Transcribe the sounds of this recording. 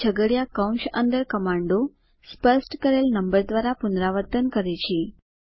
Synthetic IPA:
t͡ɕʰəɡəɽjakəwnɕənd̪əɾkəmaɳɖo | spəsʈkəɾelnəmbəɾd̪ʋaɾapund̪ɾaʋəɾt̪ənkəɾajt͡ɕiː

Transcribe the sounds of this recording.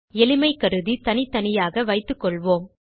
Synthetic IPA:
ɛlɪmɐɪkɐɾɯðit̪ɐnɪt̪ɐnɪjaːɣɐʋɐɪt̪ːɯkːɔɭʋoːm

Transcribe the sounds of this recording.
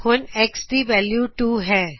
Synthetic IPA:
konɛksʈiʋɛːljuːʈuːɦɛ̃ː

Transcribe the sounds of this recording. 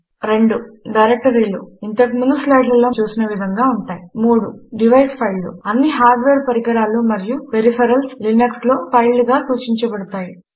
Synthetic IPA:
ɾe̞ɳɖuɖɐjɾek̚ʈɐɾiːluint̪ɐkmunuslɐjɖlɐlo̞ːt͡ʃuːsinɐʋid̪ʱɐŋɡaːuɳʈaːjimuːɽuɖiʋɐjspʰɐjlːṵɐnːiɦaːɾɖʋeːɾpɐɾikɐɽaːlumɐɾijuʋeɾipʰɐɾɐlslinɐksloːpʰɐjlːuɡaːsuːt͡ʃiɲt͡ʃɐbɐɽut̪aːji

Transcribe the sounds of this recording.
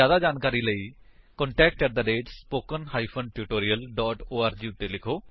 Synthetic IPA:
aːd̪aːd͡ʒaːnkaːɾiːləiːkɔ̃ɳʈɛːk̚ʈːəɾd̪əɖeːʈspoːkənɦaːipʰənʈuːʈoːɾiːəlɖɔːʈoːaːɾd͡ʒiːʊt̪ːeːlɪkʰoː

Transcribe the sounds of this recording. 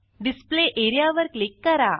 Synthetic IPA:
ɖispleʔeɾijaʋəɾklikːəɾa

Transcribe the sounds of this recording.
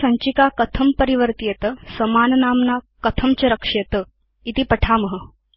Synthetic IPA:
sɐ̃ɲt͡ɕikakət̪ʰəmpəɾiʋəɾt̪ijet̪əsəmaːnənaːmna | kət̪ʰəmt͡ɕɐɾəkʂet̪ə | it̪iːpəʈʰaːməɦə

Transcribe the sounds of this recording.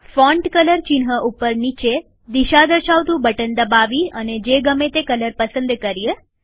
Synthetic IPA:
fɔ̃ɳɖkələɾt͡ʃinɦəʔupəɾnit͡ʃe | d̪iʃad̪əɾʃaʋt̪ũbʱəʈənd̪əbaʋiəned͡ʒeɡəmẽt̪ekələɾpəsənd̪kəɾije

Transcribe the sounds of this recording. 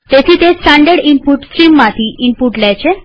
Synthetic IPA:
t̪et̪ʰiːt̪esʈaɳɖəɾɖimpuʈsɾimːat̪ʰiimpuʈlajt͡ɕʰe

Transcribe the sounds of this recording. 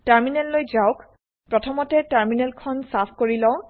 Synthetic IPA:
taɹminɛlːojzaʊk | pɹɔtʰɔmɔtɛtaɹminɛlkʰɔnsapʰkoɹilɔ̃ʊ̃

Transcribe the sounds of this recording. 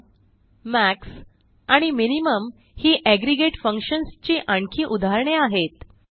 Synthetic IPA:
mæks | aɽ̃iminiməm | hiːʔæɡɾiɡeʈfəŋkɕənst͡ɕiːʔaɳkʰiːʔud̪ʱaɾɳeaɦet̪

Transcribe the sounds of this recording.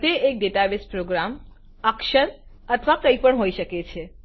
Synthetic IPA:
t̪eek̚ɖeʈaʋespɾoɡɾam | əkʃəɾ | ət̪ʰʋakəipəɳɦoiʃəket͡ʃʰe

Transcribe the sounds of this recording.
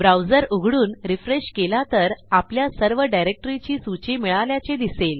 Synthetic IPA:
bɾawd͡zəɾuɡʱɽuːnɾifɾeɕkelat̪əɾapljasəɾʋəɖajɾek̚ʈəɾit͡ɕiːsut͡ɕemiɭaljat͡sed̪isel

